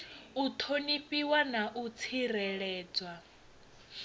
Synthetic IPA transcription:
ut̪ʰoniɸiwanaʔut͡sʰiɾɛɺɛːd͡zwa

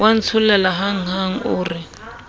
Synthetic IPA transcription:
wan̩t͡sʰulɛlaɦaŋ̩ɦaŋ̩uːri

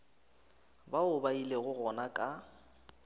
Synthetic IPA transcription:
baʊbaileɣʊɣɔnakʼa

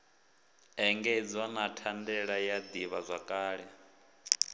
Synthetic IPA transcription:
ɛŋɡed͡zanatʰandɛɺajad̪iβazʷakʼaːɺɛ

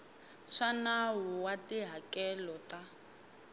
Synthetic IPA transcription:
ʂanawuwatiɦakɛlɔta

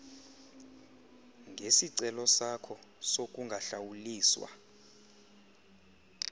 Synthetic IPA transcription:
ŋʱesiǀɛlɔsakʰɔsok̬ʼuŋɡʱaɬawuliːswa̰

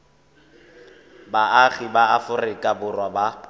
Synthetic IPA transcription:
baaɣibaafʊrɪkʼabʊrwaba

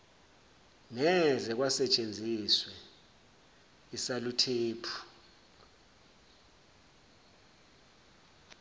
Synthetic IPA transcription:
nɛzɛk̬wasɛt͡ʃʼend͡zʱiswɛ | isalutʰeːpʰu̥

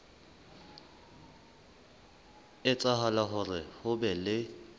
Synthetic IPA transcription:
ɪt͡sʼaɦalaɦʊrɪhʊbɛlɪ

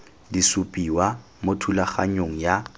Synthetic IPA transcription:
disupʼiwa | motʰulaχa̰ɲoŋ̩ja

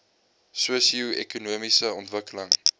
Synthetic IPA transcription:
suəsiuɛ̰kunuəmisəɔntvəkələŋ

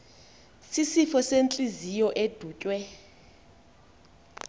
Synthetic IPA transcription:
sisifɔsent͡ɬʼizijɔʔed̥ʱuːcʼwɛ

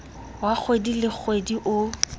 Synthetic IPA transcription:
wak͡xʰwedilɪk͡xʰwediʔʊ

